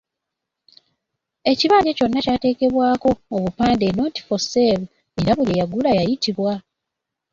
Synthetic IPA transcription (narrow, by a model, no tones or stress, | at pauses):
e̞ciβaːɟe̞co̞nːacaːte̞ːke̞βwaːko̞ːβupaːnde̞no̞ːnti̥foseβ | e̞ɾaβulejaɡulajajitiβwa